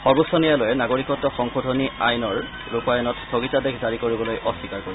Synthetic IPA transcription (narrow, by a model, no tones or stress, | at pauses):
xɔɹbɔsɔnijalojɛnaɡoɹikɔtːɔxɔŋxodʱɔniajnɔɹ | ɹupajɔnɔtsʰoɡitadekʰzaɹikoɹibɔlojʔɔsikaɹkoɹi